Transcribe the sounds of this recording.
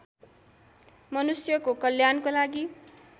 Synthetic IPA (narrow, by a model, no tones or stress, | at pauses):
mʌnusjʌkokʌljankolaɡi